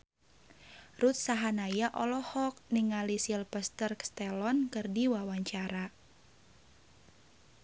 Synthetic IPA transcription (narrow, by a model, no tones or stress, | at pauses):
rut̪̚saɦanajaʔɔlɔhɔk̚niŋalisilpəst̪ərkst̪ɛlɔnkɨrdiwawaɲt͡ʃaɾa